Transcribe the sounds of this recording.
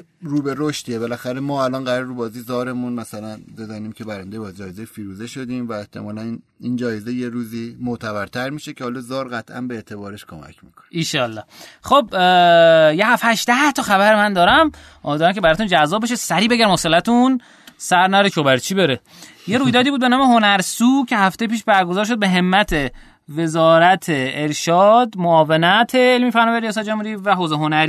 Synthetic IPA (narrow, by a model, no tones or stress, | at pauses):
ɾuːbeɾoʃt̪iebelæxæɾemɒːælɒːnɢæɾɾeɾuːbɒːzizɒːɾe̞munmæsælænbe̞zæniːmcʰe̞bæɾænd̪ejbɒd͡ʒɒːjezejfiːɾuːzeʃod̪iːmvæeht̪ʰe̞mɒːlænind͡ʒɒːjezejeɾuːzimot̪ʰæbæɾt̪ʰæɾmiːʃecʰehɒːlɒzɒːɾɣæt̪ʰʔæ̰nbeːt̪ʰe̞bɒːɾeʃkʰomæ̰cʰmḭːkʰo̥neiʃɒːlːɒːχob | jeɦæfæʃd̪æht̪ʰɒxæβæɾmænd̪ɒːɾæm | d̪ɒːɾæmkʲʰebæɾɒːt̪und͡ʒæzːɒːb̚eʃesæɾiːbeɟæɾmoselæt̪ʰun | sæɾnæɾeʃʰobæɾt͡ʃʰibeɾe | jeɾuːjd̪ɒːd̪ibuːd̪be̞nɒːmeɦo̞næɾsuːcʰe̞hæft̪ejpiːʃbæɾɡozɒːɾʃ̬o̞d̪̚beɦe̞mːæt̪ʰe | ve̞zɒːɾæt̪ʰeːɾʃɒːd̪moɒːvenæt̪ʰeːlmiːfæɾnɒːvæjɾijɒːs̬æt̪̚d͡ʒomhuɾiːvæɦoːzeɦo̞næɾi